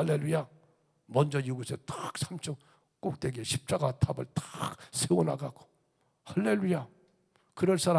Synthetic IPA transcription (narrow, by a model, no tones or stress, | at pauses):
alːe̞lːuja | mʌnd͡ʑʌjuɡusʰetak̚sʰamt͡ɕʰʌk | k͈ok̚t͈we̞ɡeɕʰi̥p̚t͡ɕ͈aɡatʰabɯ̰ɭtḁk̚sʰeona̰ɡaɡo̥ | halːe̞luja | kɯɾʌɭs͈aɾa